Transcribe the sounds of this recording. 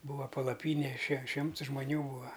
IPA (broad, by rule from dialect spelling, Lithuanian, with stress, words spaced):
ˈbuːʋɐ pɐlˠɐˈpʲiːnʲeː ʃʲɛ ˈʃʲɪmts ʒmoːˈnʲuː ˈbuːɐ